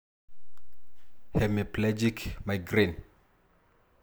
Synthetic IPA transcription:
hɛmiplɛd͡ʒikmajɡɾin

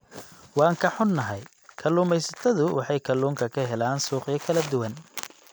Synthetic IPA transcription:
wɑːŋkʰɐħʊnːɐɦɛj | kʰɐlːuːmɛjsɐt̪ʰɐðʊwʔɑ̰ħɑjkʰɐlːuːŋkʰɐkʰɐɦɛlaːnsuːqijɐkʰɐlɐd̪ʊwɐn

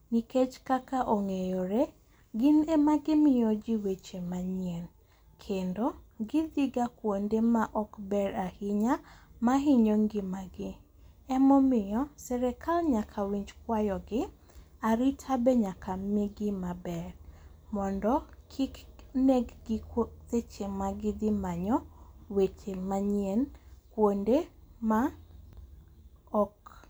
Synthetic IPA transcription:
niket͡ʃkakaʔoŋejɔɾe | ɡɪnemaɡɪmɪjod͡ʒiwet͡ʃemaɲjen | kʰendoɡɪd̪iɡakwondemaʔɔkbɛɾahɪɲamaɦɪɲoŋɡɪmaɡɪ | ɛmɔmɪjɔsɛɾɛkʰalɲakʰawiɲd͡ʒkwajɔɡɪ | aɾitʰabɛɲakʰamɪɡɪmabɛr | mɔndɔkʰikneɡɡɪkot̪et͡ʃemaɡɪd̪ɪmaɲɔwet͡ʃemaɲenkwondema | ɔk

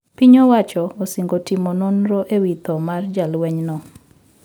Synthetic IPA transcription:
piɲɔwat͡ʃɔosiŋɡotimɔnonɾɔʔewit̪ɔmard͡ʒalwɛɲnɔ

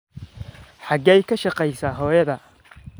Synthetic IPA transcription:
ħɑɡɛjkʰɐʃɑqɛjsaːɦɔːjɐðɐ

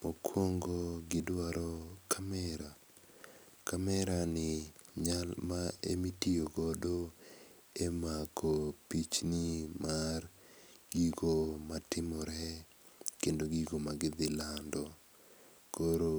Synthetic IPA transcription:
okʰwoŋɡoɡɪdwaɾɔkʰamɛɾa | kamɛɾanɪɲalmaḛmitijoɡɔdo | emakʰopit͡ʃniɪmarɡ̥iɡomatɪmɔɾɛ | kendoɡiɡomaɡɪd̪ɪlandɔ | koɾo

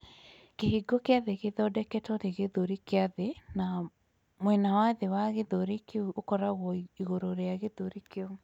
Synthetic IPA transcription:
keɦiɡɔkeaðeɣeðɔdɛkɛtɔɾeɣeðoɾikeaðena | mwɛnawaðewaɣeðoɾikeookɔɾaɣɔiɣoɾoɾeaɣeðoɾikeo

